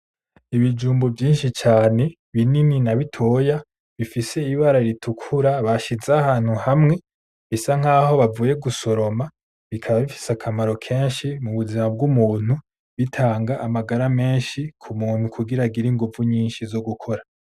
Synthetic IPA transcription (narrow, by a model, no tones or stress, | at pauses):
iβid͡ʒuːmbovjiːnʃit͡ʃaːne̞ | βinininaβitʰo̞ːja | βifise̞iβaɾaiɾitʰukʰuɾaβaʃizeahaːn̥huhamŋe̞ | βisaŋ̥aːho̞βavuːje̞ɡuso̞ɾo̞ma | βikʰaβaβifi̥sakʰamaɾo̞kʰe̞ːnʃimuβuzimab̚ɡumuːn̥u | βitʰaːŋɡaʔːmaɡaɾame̞ːnʃikʰumuːn̥hukʰuɡiɾaɡiɾiŋɡuvuɲiːnʃizo̞ɡukʰo̞ɾa